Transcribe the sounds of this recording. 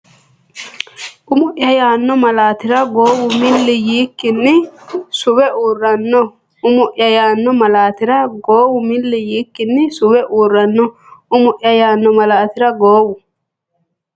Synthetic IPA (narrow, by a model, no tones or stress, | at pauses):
ʔʊmʊʔjɐjaːnːɔmɐlaːt̪ɪɾɐɡoːwʊmɪlːɪjiːkːɪnːɪsʊwɛʔuːrːɐnːɔ | ʊmʊʔjɐjaːnːɔmɐlaːt̪ɪɾɐɡoːwʊmɪlːɪjiːkːɪnːɪsʊwɛʔuːrːɐnːɔ | ʊmʊʔjɐjaːnːɔmɐlaːt̪ɪɾɐɡoːwʊ